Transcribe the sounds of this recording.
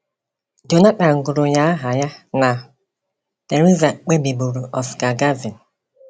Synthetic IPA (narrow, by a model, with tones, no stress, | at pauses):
do˨na˦k͡pa˨ŋ̩˨ɡʊ˨ɾʊ˨ɲa˦ɦa˨ja˦na˨ | te˨ɾu˦za˨k͡pe˦bi˨bu˨ɾu˨ʔɔ˨ska˨ɡa˦vi˨n˨